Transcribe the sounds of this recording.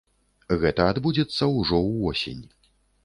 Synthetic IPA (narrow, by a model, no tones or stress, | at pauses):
ɣɛt̪ɐad̪bud͡zʲɛt̪sːɐwʐɔwvɔsʲḛnʲ